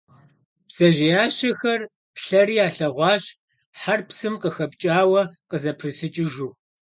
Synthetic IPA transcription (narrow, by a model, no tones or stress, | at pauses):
psɐʒɪjaːɕɐxɐr | pɬɐriːaːɬɐʁʷɑːɕ | ħarpsɨmqʼəxɐp̚t͡ʃʼaːwɐqʼəzɐpʰrɨsɨt͡ʃʼɪʒuː